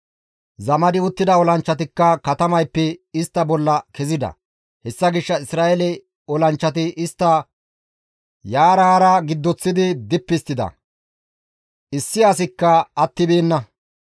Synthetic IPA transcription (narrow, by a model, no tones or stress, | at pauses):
zɐmɐd̪ɪʊt̪ːɪd̪ɐɔlɐnt͡ʃːɐt̪̬ɪkːɐkɐt̪ɐmɐjpːɛɪst̪ːɐbɔlːɐkɛzɪd̪ɐ̰ | hɛsːɐɡɪʃːɐɪsɾaːɛlɛ | ɔlɐnt͡ʃːɐt̪ɪʔɪst̪ːɐ | jaːɾaːɾɐɡɪd̪ːɔt͡sːɪd̪ɪd̪ɪpːɪst̪ːɪd̪ɐ̰ | ɪsːɪɐsɪkːɐɐt̪ːɪbeːnːɐ